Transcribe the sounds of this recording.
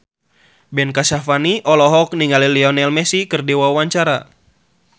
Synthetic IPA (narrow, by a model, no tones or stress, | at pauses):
bɛnkasafaniʔɔlɔɦɔk̚niŋaliliɔnɛlmɛsikɨrdewauwaɲt͡ʃaɾa